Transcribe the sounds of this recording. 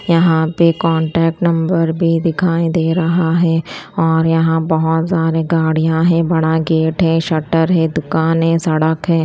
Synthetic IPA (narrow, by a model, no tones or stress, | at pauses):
jɐɦãpekɔːɳʈɛːk̚ʈnɐ̃mbəɾbʱid̪ɪkʰaːid̪eːɾɐɦaɦɛːɔːɾjɐɦãbɐɦʊt̪saːɾeɡaːɽijãɦɛ̃bɐɽaɡeːʈɦɛ̃ʃɐʈəɾɦɛ̃d̪ʊkaːnɦɛ̃sɐɽəkɦɛ̃ː